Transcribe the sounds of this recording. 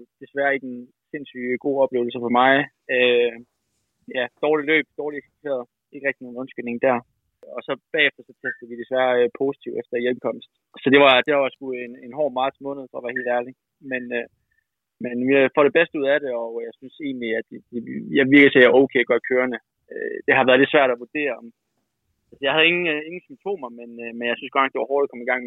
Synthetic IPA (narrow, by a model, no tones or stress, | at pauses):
d̥e̝sʋæɐe̝ɡ̥en | se̝nsy̰ɡ̥o̝̰ːɒ̽b̥le̝ːʊl̩s̬əfɒmɑ̈ɪ | ø | jæd̥ɒːlilø̰ːb̥̚d̥ɒːliesi̥t͡sʰe̝̰ɐð̩ˠ | e̝ɡ̥əʁɛɡ̥̚ino̝ːn̩ɔ̽nsɡ̥ene̝ŋd̥æɐ | ɒ̽sɒ̽b̥ɛ̰ːefd̥ɐsɒ̽t͡sʰesd̥ð̩ˠʋid̥e̝sʋæːɐpʰo̝ːsi̥t͡sʰiʊefd̥ɐjemkʰɒ̽m̰sd̥ | sɒ̽d̥e̝ʋɑ̈d̥e̝ɑʋɑsɡ̥uð̩ˠenenɦɒ̰ːmɑ̈ːd̥smɔ̽ːnəð̩ˠfɒ̰ʋæɐhe̝ːl̥æɐli | menø | menʋifɒɾ̥e̝b̥esd̥əuð̞̰ˠæɾe̝ɒ̽jɑ̈ɪsynse̝ːnliæd̥d̥ejɑɪʋiɐɡ̥sʰeæoʊkʰeɡ̥ɶɐkʰøːɐnə | ød̥e̝ɦɑ̈ʋæɐðˠle̝d̥sʋæɐ̰ɾ̥æʋud̥e̝̰ːɐɒm | ælsəjɑ̈hæð̞̩ˠe̝ŋn̩e̝ŋn̩symt͡sʰo̝̰ːmɐmenmenjɑ̈synsɡ̥ɒnɑ̥d̥e̝ʋɑhɔːɾ̥ðkɒ̽miɡ̥ɑ̈ŋ̰